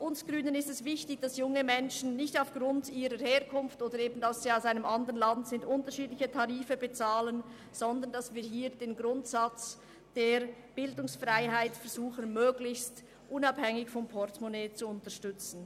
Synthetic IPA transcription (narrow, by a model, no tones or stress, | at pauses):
ʔʊnsɡ̥ʁyːnənɪstɛsv̥ɪçtɪçd̥ɑsjʊŋəmɛnʃn̩nɪçtaʊfɡ̥ʁʊntiːʁəɾheːʁkʰʊnftoːdəɾeːbn̩dasz̥iːaʊsaɪnəmʔɑndəənlɑntz̥ɪndʔʊntəʃiːdlɪçətʰɑʁiːfəbɛt͡saːlən | z̥ɔndɐndasviːɦiːɾd̥eːnɡʁʊntsat͡s | d̥eːɾ | b̥ɪldʊŋsfʁaɪɦaɪtfɛɐɾz̥uːxənmøːɡlɪçst | ʔʊnɑphɛŋɪçfɔmpʰɔʁtmoneːt͡suʊntəʃtʏt͡sn̩